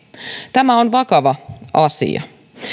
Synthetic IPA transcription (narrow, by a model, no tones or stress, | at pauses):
t̪æmæonʋɑkɑʋɑʔɑsḭɑ̰